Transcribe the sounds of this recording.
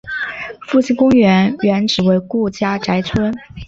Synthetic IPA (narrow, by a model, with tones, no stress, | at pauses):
fu˥˩ɕʰi˥˩ŋkʊ˥ŋɥɛ˧˥nɥɛ˧˥nʈ͡ʂɻ̩˨˩we˧˥ɪku˥˩t͡ɕja˥ʈ͡ʂa˧˥ɪt͡sʰwə˥n